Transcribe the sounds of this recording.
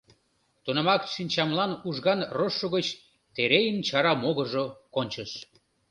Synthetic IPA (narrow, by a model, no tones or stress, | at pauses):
t̪unəmɑkʃinʲt͡ɕɑmlɑnuʒɣɑnroʃːoɣət͡ɕ | t̪eɾejənt͡ɕɑɾɑmoɣəʒokonʲt͡ɕəʃ